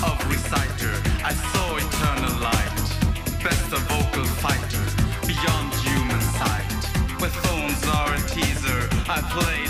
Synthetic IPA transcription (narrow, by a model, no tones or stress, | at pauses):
ʌvɹɨsaɪɾə˞aɪsɔɨtʰɜ˞nəl̩ˠlaɪt̚ | b̥ɛ̃nsəvoʊkəl̩ˠfaɪɾə˞b̥ijɑ̃ndhjʉmɨ̃nsaɪt̚wəθõʊ̃nzə˞ɨtʰizə˞aɪpʰl̥eɪ